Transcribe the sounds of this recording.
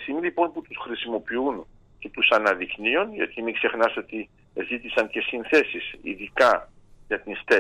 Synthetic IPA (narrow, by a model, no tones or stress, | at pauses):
similipo̞nput̪usxɾisimo̞piun | ce̞t̪usɐnɐðiknio̞nʝɐ̰t̪imikse̞xnɐso̞t̪i | zit̪isɐnce̞sinθe̞sisḭðikɐ | ʝɐt̪inst̪e